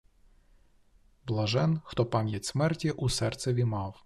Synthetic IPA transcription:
blˠɐʒɛnxt̪ɔpamʲjɐtʲsmɛrtʲiʔusɛrt̪sɛʋʲimɑw

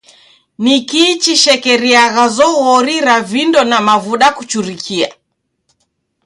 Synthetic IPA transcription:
nikit͡ʃiʃɛkɛɾiaɣazɔɣɔɾiɾavindɔnamavuɗakut͡ʃuɾikʰia̰

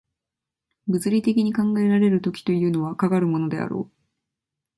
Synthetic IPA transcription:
bɯ̟t͡sɨɾʲit̪e̞kʲiɲ̟ikãŋɡae̞ɾaɾe̞ɾɯ̟t̪o̞kʲi̥t̪o̞iɯ̟ːno̞βakaɡaɾɯ̟mo̞no̞d̪e̞a̰ɾo̞̰ː

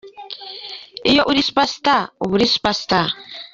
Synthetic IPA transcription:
ɪjoʔuɾispast̪aubuɾispast̪a

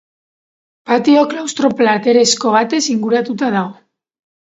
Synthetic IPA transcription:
pat̪io̞klawst̪ɾo̞plat̪e̞ɾe̞sko̞β̞at̪e̞siŋɡuɾat̪ut̪aðaɣo̞

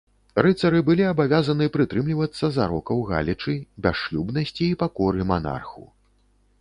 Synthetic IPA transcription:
ɾɨt̪sɐɾɨbɨlʲiɐbavʲazɐnɨpɾɨt̪ɾɨmlʲivɐt̪sːɐzaɾɔkɐwɣa̰lʲit͡ʂɨbʲaʂlʲubnɐsʲt͡sʲiːpakɔɾɨmana̰rxṵ

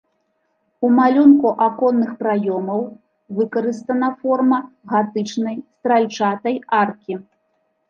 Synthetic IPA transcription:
umalʲunkuʔakɔnːɨxpɾajɔmɐw | vɨkɐɾɨst̪ɐnɐfɔrmɐ | ɣat̪ɨt͡ʂnɐjst̪ɾalʲt͡ʂat̪ɐjarkʲi

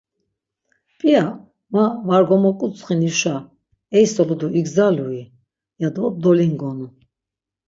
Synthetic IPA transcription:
pʼia | mavaɾɡɔmɔkʼut͡sʼχiniʃa | ɛjsɔlud̪uʔiɡzalui | jad̪ɔd̪ɔliŋɡɔnu

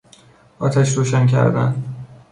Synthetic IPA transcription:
ɒːt̪ʰæʃɾoːʃæncʰæ̰ɾd̪æ̰n

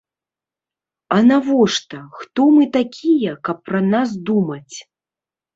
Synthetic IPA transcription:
ɐnavɔʂt̪ɐxt̪ɔmɨt̪akʲʰijɐkɐpːɾɐnas̬d̪umɐt͡sʲ

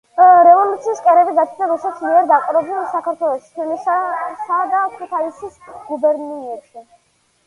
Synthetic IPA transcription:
ɾɛvɔlut̪sʰiːskʼɛɾɛbiɡat͡ʃʰnaɾusɛt̪smiɛɾd̪aqʼuɾɛblɛnsakʰaɾt̪ʰwɛlˠɔʃi̥t̪ʰwɛnissad̪akʰut̪ʰaisisɡubɛɾniɛtʃi

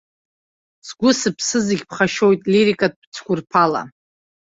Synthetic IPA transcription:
sɡʷʊsɨpʰsɨziɡʲpʰχaʃo̞jtʼliɾikʼat̚ʼb̥t͡sʰɡʷʊrpʰala̰

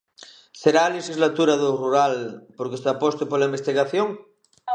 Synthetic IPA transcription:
seɾaːleʃizlat̪uɾaðoruɾalpoɾkest̪apost̪epoɾlaimbest̪iɣaθjoŋ

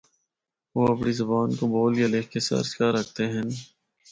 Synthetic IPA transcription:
ʋoːɐpɽiːzəbaːnkoboːlijaleːkkesɐ̰ɾskaːɾək̚ʰt̪eɦɛ̃n

